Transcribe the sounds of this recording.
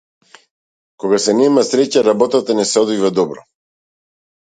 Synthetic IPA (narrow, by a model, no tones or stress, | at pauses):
kɔɡasɛnɛmasɾɛcaɾabɔt̪at̪anɛsɛɔd̪vivad̪ɔbɾɔ